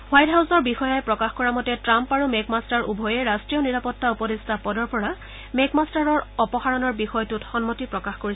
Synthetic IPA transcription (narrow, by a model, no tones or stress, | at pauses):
wajtɦawsɔɹbixɔjajpɹɔkaxkɔɹamɔtɛtɹampaɹumekmastaɹʔubʱɔjɛɹastɹijɔniɹapɔtːaupɔdestapɔdɔɹpɔɹa | mekmastaɹɔɹɔpɔxaɹɔnɔɹbixɔjtutxɔnmotipɹɔkaxkoɹi